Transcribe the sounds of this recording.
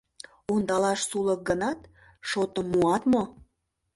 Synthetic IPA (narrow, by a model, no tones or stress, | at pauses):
und̪ɑlɑʃsulək̚ɡənɑt̪ | ʃot̪əmːuɑt̪mo